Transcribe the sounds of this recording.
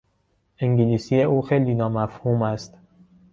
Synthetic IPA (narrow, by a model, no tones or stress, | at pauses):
ʔiŋɟiliːsiːjeʔuːxejliːnɒːmæfhuːmæst̪